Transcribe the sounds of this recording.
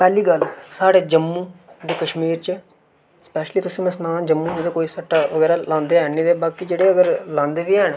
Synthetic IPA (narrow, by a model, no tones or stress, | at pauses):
pɛːliːɡəlsaːɽeːd͡ʒəmːũːd̪eːkəʃmiːɾt͡ʃə | spɛːʃliːt̪ʊsĩːmɛ̃snãːd͡ʒəmːũːnːd̪eːkoːiːsəʈːaːʋəɡɛːɾaːlãːnd̪eːɦɛːniːd̪eːbaːkiːd͡ʒeːɽeːəɡəɾlãːnd̪eːʋiːɦɛːɳ